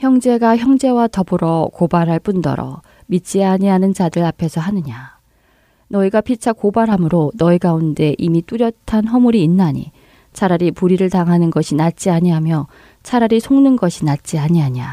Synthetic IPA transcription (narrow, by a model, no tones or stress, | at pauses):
çjʌŋd͡ʑe̞ɡaçjʌŋd͡ʑe̞watʌbɯɾʌkobaɾɦaɭp͈undʌ̰ɾʌ̰ | mit͡ɕ͈iaɲiɦanɯnd͡ʑadɯɭapʰe̞sʰʌɦanɯɲa | nʌiɡapʰit͡ɕʰakobaɾɦamɯɾonʌiɡaunde̞ʔimit͈uɾjʌtʰanɦʌmuɾiːnːaɲḭ | t͡ɕʰaɾaɾipuɾiɾɯɭtaŋɦanɯnɡʌɕʰinat̚t͡ɕ͈iaɲiɦamjʌ | t͡ɕʰaɾaɾisʰoŋnɯnɡʌɕʰinat̚t͡ɕ͈iaɲiɦaɲia